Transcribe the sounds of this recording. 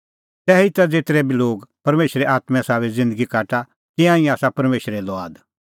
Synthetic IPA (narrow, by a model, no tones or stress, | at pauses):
t̪ɛːit̪ɐd͡zeːt̪ɾɛbiloːɡpɐɾmeːʃɾeʔaːt̪mɛ̃saːʋɛzɪ̃nd̪əɡikaːʈa | kɪãːĩaːsapɐɾmeːʃɾɛlɔaːd̪